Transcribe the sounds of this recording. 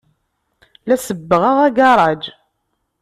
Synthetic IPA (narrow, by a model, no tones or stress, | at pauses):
læsəbːəʁəʁæɡɑɾˤɑd͡ʒ